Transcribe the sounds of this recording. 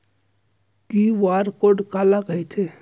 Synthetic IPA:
kiʋaːɾkoɖkaːlakəit̪ʰe

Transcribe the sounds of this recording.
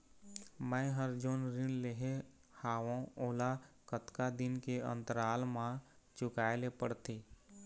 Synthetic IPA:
mə̃ɦəɾd͡ʒoːnɾɪnleɦe | haːʋõoːlakət̪kad̪ɪnkeə̰̃nt̪əɾaːlmãt͡ʃʊkaːelepəɽt̪iː

